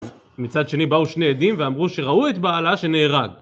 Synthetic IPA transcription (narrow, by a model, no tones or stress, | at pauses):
mit͡sad̪ʃe̞nibauʃneːd̪imveamʁuʃe̞ʁauet̪baːlaʃe̞neːʁaɡ